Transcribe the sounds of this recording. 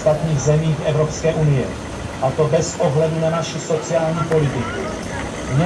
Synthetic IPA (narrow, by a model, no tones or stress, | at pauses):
t̪at̪ɲiːɣzɛmiːfʔɛvɾopskɛːʔunɪjɛ̰ | ʔat̪o̞bɛsʔoɦlɛdunanaʃɪso̞t͡sɪaːlɲiːpo̞lɪt̪ɪkṵ | mɲɛ